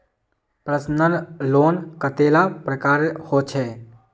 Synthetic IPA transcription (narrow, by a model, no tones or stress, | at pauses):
pɾəsnəɾloːnkət̪eːlapɾəkaːɾhot͡ʃʰɛː